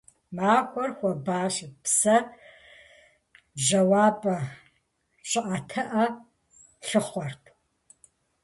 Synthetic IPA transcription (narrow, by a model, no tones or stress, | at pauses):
maːxʷɔrxʷɔbaːʃɪpsɐ | ʒɐwaːbɐ | ɕʼɨʔatʰɐʔɐ | ɬɨχʷɔrtʰ